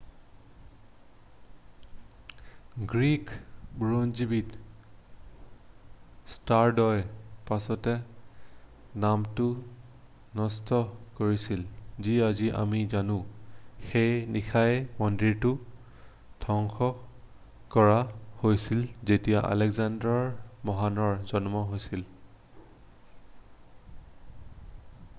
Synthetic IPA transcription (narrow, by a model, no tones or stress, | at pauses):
ɡɹikbɹonzibit | staɹdɔjpasɔtɛ | namtʊ | nɔstɔkoɹisilziaziʔa̰mizanʊ̃xejnixʰajmɔndiɹtʊ | tʰɔŋxɔ | kɔɹahojsilzetijaʔa̰lɛɡzandɔɹmɔɦanɔɹzɔnmɔɦojsil